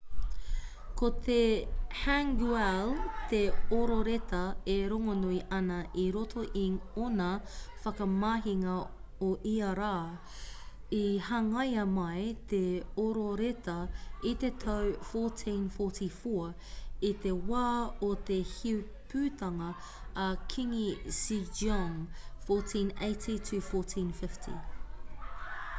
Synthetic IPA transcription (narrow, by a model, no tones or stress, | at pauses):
kot̪ʰehæŋɡuɛlt̪eoɾoɾetʰɐeɾoŋonuiʔɐnɐʔiɾotʰoʔionɐfɐkɐmaːɦiŋɐ | oʔiɐɾaː | ihɐŋɐjɐmɐjt̪eoɾoɾet̪ʰɐit̪et̪ʰowfotʰĩnfoːˑtʰifo | it̪e̞waːot̪e̞hiu | pʰʉːt̪ɐŋɐ | kʰiŋisid͡ʒɔŋfoːtʰĩnḛɪtʰitʰʉfoˑtʰĩːnfɪftʰḭ